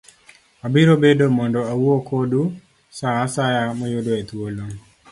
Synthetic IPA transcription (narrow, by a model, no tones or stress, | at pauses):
abiɾobedomɔndɔauokodu | saːsajamɔjodoet̪wolo